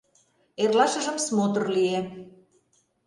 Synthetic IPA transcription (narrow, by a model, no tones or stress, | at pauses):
erlɑʃə̆ʒə̆msmot̪ɤ̆rlie